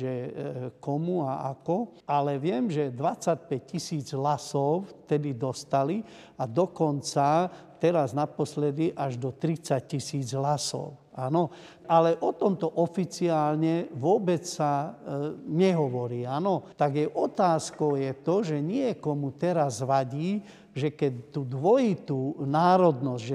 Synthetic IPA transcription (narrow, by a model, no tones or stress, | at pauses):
ʒɛkɔmuaakɔalɛʋɪɛmʒɛd̪ʋat͡sac̚pɛc̚cisiːd͡zɦlasɔʊt̪ɛd̪id̪ɔst̪ali | ad̪ɔkɔnt͡sa | t̪ɛɾaznapɔslɛd̪iʔaʒd̪ɔt̪ɾit͡sac̚cisiːd͡zɦlasɔ̰ʊanɔ | alɛʔɔt̪ɔmt̪ɔʔɔfit͡siaːlɲɛʋʊɔbɛt͡ssa | ɲɛɦɔʋɔɾiːanɔt̪aɡjɛʔɔt̪aːskɔʊjɛt̪ɔʒɛɲɪɛkɔmut̪ɛɾazʋaɟiː | ʒɛkɛtt̪uːd̪ʋɔjit̪unaːɾɔd̪nɔzɟʒɛ